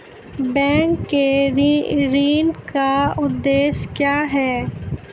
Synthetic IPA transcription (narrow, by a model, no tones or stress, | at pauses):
bɛ̃ːŋkːeɾɾiːnkaʊd̪ːeːʃkjaːɦɛː